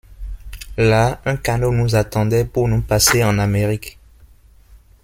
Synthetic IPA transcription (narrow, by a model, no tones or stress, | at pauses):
laɛ̃kanonuzat̪ɑ̃d̪ɛpunupaseɑ̃nameʁik